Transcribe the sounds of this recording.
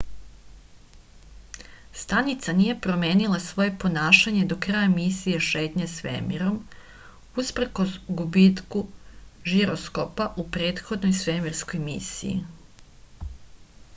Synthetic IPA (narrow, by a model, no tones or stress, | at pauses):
st̪anit̪sanije̞pɾo̞me̞ːnilˠasʋo̞je̞po̞naːʃaɲe̞d̪o̞kɾajamisije̞ʃe̞ːt̪ɲesʋemiɾo̞m | uspɾko̞zɡubit̪kuʒiɾosko̞paʔupɾe̞ːt̪xo̞d̪nojsʋe̞miɾsko̞jmḭsḭjḭ